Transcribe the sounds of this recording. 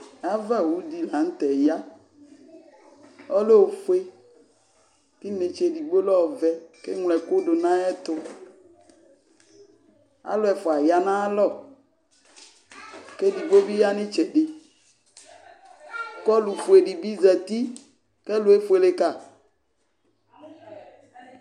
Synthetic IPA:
a˦vɛ˦˨wu˦di˨la˨ŋ̩˦t̪ɛ˨ja˦ | ɔ˦le˦o˨fu˦e˦ | ki˦ne˨t͡ʃe˨di˨ɡ͡bo˦lɔ˦˨vɛ˦ke˦ŋlɛ˨ko˦ɖo˨nã˦ɛ˦t̪ʊ˦ | a̰˦lo˦ɛ˨fʊ˨a˨ja˨nã˦a˦lɔ˦˨ | ke˦di˨ɡ͡bo˦bi˦ja˦nĩ˦t͡ʃɛ˨ɖe˨ | kɔ˦lu˨fu˨e˨ɖi˨bi˦zɛ˨t̪i˦ | ke˦lʊ˨e˦fu˦e˨le˦ka˦˨

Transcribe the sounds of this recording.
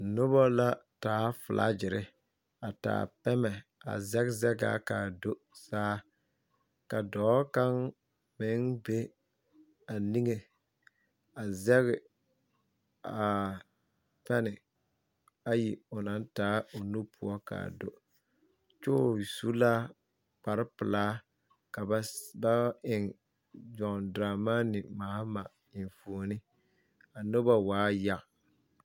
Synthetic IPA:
nʊ˦bɔ˦la˦taː˨˦fʊ˨lʔa̰˦d͡ʒɪ˨ɾɪ˦ | a˨ta̰ː˨pɛ˦mɛ˨a̰˨zɛ˦ɡzɛ˦ɡa̰˨˦kaː˨do˦ | saː˦ | ka˨dɔː˨˦ka˦ŋ | mɪ˨˦ŋbe˦ | a˨ni˦ŋe˨ | a˨zɛ˦ɡɪ˨ | a˨ | pɛ˦nɪ˨ | a˦ji˨ʊ˨na˨˦n˦taː˨˦o˨nu˦pʰʊ˦ɔ˦ka̰˨do˨ | t͡ʃʊ˦˨su˦laː˦ | k͡pa˨ɾɪ˦pɨ˨laː˦ | ka˨bba˦ɪ˨ŋ | d͡ʒɔ˨ŋ˨dɾaː˨maː˦nɪ˨maː˨˦ma˨ | ɪ˨n˨fo˨nɪ˦ | a˨no˦ba˨waː˦ja˨ʔ

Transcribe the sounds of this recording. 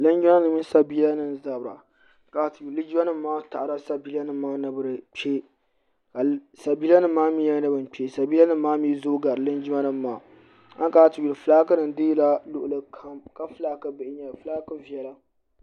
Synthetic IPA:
lɨ˦nd͡ʒi˦a˦nɨ˨mi˦sa˨bi˦la˦nɨ˦n˨za˨bɾa̰˨ | ka˨tju˨li˦d͡ʒi˦a˦nɨ˦mːaː˦ta̰˨ʔɾa˦sa˦biː˦la˦nɨ˦mːaː˦nɨ˨bɨ˦ɾɨ˨k͡pe˦ | ka˨sa˨bi˦la˦nɨ˦mːaː˦mi˦ja˦nɨ˦bɨ˦n˨k͡pe˦sa˨biː˦la˦nɨː˦aː˦mi˦zoː˦ɡa˨ɾɨ˨lɨ˦nd͡ʒi˦ma˦nɨː˦˨˦aː˨ | a̰˦ŋ˦kaː˨tɨ˨ju˨lɨ˨fɨ˨laː˦kɨ˦nɨ˨n˦dɨ˦jla˦lʊ˦ʔʊ˨lɨ˦kʰa˦mka˦fɨ˨laː˦kɨ˦bɨ˨ʔɪ˦ɲa˨fɨ˦laː˦kɨ˦vi˨ɛ˦la˦

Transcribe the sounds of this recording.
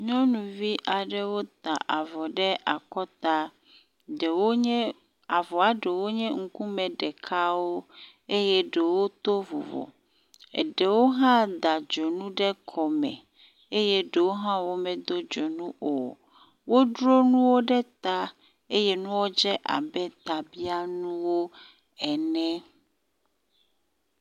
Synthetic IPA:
ɲɔ̃˦nũ˨vi˦ʔa˨ɖe˦wo˦t̪a˨ʔa˨vɔ˨ɖɛ˦ʔa˨kɔ˦t̪a˦ | ɖe˨wo˦ɲɛ̃˦ | a˨vɔ˨a˨ɖe˨wo˦ɲɛ̃˦ŋ̩˦kũ˦mɛ̃˨ɖɛ˨kʰa˦wo˦ | e˦jɛ˦ɖe˨wo˦t̪o˦vo̰˨vɔ̰˨ | ḛ˨ɖe˨wo˦ɦã˦d̪a˨d͡ʒɔ˨nũ˦ɖɛ˦kʰɔ˨mɛ̰̃˨ | e˦je˦ɖe˨wo˦ɦã˦wo˦mɛ̃˨d̪o˦d͡ʒɔ˨nũ˦o˨ | wo˦ɖɾo˦nũ˦wo˦ɖɛ˦t̪a˦ | e˦je˦nũ˦wo˦d͡ʒɛ˦ʔa̰˨bɛ˦t̪a˨bi˦a˦nũ˦wo˦ | ɛ˨nɛ̃˦

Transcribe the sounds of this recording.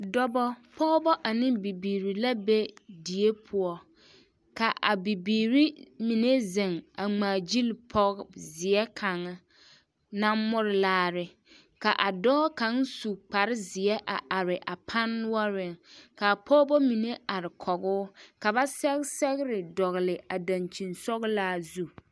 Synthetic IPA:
dɔ˦bɔ˦pʰɔ˦bɔ˦ʔa˨nɪ̃˦mbi˨biː˨ɾi˨la˦be˦di˨e˦pʰʊ˨ɔ˨ | ka˨ʔa˨bi˨biː˨ɾi˦mi˨ne˦zɪ˨ŋa˨ŋ͡maː˨d͡ʒi˦lpʰɔ˦ɣzɪ˨ɛ˦kʰa˨ŋa˦ | na˦mʊ˦ɾɪ˨laː˨ɾɪ˨ | ka˨ʔa˨dɔː˦ka˨˦ŋsu˨k͡pa˨ɾɪ˦zɪ˨ɛ˦ʔa˨ʔa˨ɾɪ˨ʔa˨pʰa˦nːʊ˦ɔ˦ɾɪ˦˨ŋka˨pʰɔ˦bɔ˦mi˨ne˦a˨ɾɪ˨kʰɔ˨ɣʊː˦ka˨ba˦sɛ˦ɣɪ˦sɛ˦ɣɪ˦ɾɪ˨dɔ˨ɣɪ˨lɪ˨a˨da˨nt͡ʃi˨nsɔ˦ɣlaː˦zu˦

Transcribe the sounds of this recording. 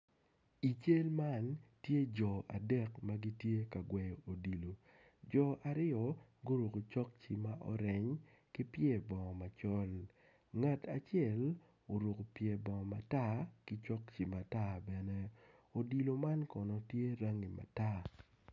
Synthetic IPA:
i˨t͡ʃe˦lma˦ntje˦d͡ʒɔ˨a̰˨dɛ˦kma˦ɡi˦tje˦ka˨ɡwɛ˨jo˨di˨lo˨ | d͡ʒɔ˨ʔa˨ɾɪ˦ɔ˨ɡo˦ɾu˨ko˨t͡ʃɔ˦k̚t͡ʃi˨ma˦ʔɔ˦ɾɛ˨ɲ | kɪ˦pje˦˨bɔ˨ŋɔ˨ma˨t͡ʃɔ˦l | ŋa˨tʰa˨t͡ʃjɛ˦˨l | o˨ɾu˨ko˨pje˨bɔ˨ŋ˨ma˨ta˦kɪ˦t͡ʃɔ˦kt͡ʃi˨ma˨ta˦bɛ˨nɛ˦o˨di˨lo˨ma˦nkɔ˨nɔ˨tje˦ɾa˦ŋi˨ma̰˨ta˦

